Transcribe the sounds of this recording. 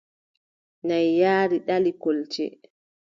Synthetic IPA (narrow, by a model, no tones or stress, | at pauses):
najːaːɾiɗalikolt͡ʃɛ̰